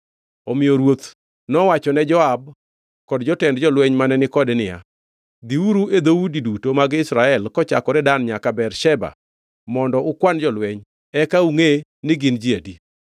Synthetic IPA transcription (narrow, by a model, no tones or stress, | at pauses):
omɪjoɾwot̪ | nɔwat͡ʃɔnɛd͡ʒɔab̚ | kɔdd͡ʒɔtɛndd͡ʒɔlwɛɲmanɛnɪkɔdnɪja̰ | d̪iuɾued̪owudidutomaɡɪsɾaɛlkɔt͡ʃakɔɾɛdanɲakabɛrʃɛba̰ | mɔndɔʔʊkwand͡ʒɔlwɛɲ | ɛkauŋenɪɡɪnd͡ʒiadi